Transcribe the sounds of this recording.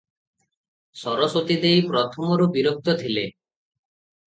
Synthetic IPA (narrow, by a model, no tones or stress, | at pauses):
sɔɾɔsot̪id̪ejpɾɔt̪ʰɔmɔɾubiɾok̚t̪ɔt̪ʰile